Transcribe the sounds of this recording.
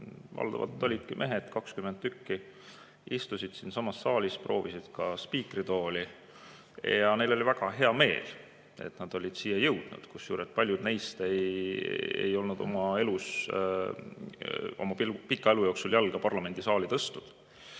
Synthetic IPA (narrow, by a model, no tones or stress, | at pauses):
vɑ̰ld̪̥ɑ̰vɑ̰lt̪ːˑo̞lʲid̪̥kimʔe̞ɦed̪̥kɑkskymend̪ykːi | ist̪usid̪̥sinsɑmɑsːɑːlʲispro̞̰ːvisid̪̥kɑspiːkrit̪o̞ːli | jɑne̞lo̞lʲivæɡ̥ɑɦe̞ɑme̞̰ːl | e̞̰t̪nɑd̪̥o̞lʲid̪̥siːjɑjɤwd̪̥nṵd̪̥kusjuːɾet̪̚pɑlʲjud̪̥nejst̪e̞j | ḛjo̞lnud̪o̞mɑe̞lus | o̞̰mɑipikːˑɑe̞lujo̞ːksuljælɡ̥ɑpɑrlɑme̞nd̪̥isɑːlit̪ɤst̪ud̪̥